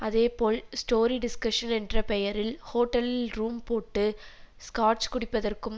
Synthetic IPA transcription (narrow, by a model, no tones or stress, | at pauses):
ɐðeːpoːlsʈoːɾiɖɪskɐʂɐnɛndrɐpɛjɐɾɪlhoːʈːɐlɪlɾuːmpoːʈːɯskaːʈt͡ʃkʊɽɪpːɐðɐrkɯm